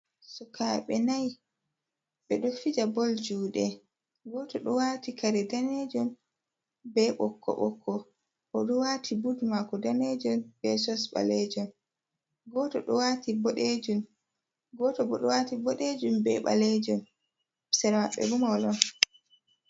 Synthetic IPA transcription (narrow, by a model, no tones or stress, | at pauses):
sukaɓɛnaj | ɓɛɗɔfid͡ʒabɔld͡ʒuːɗɛ | ɡɔtɔɗɔwatikaɾɛdaned͡ʒɔn | bɛɓɔkʰːɔ̰ɓɔkʰːɔ | hɔɗɔwatʰibudmakɔdaned͡ʒɔnbɛsɔsɓa̰lɛd͡ʒɔn | ɡɔtɔɗɔwatibɔɗed͡ʒum | ɡɔtɔbɔɗɔwatibɔɗed͡ʒumbɛɓa̰lɛd͡ʒɔn | sɛɾmaɓɛ̰ɾumawlɔn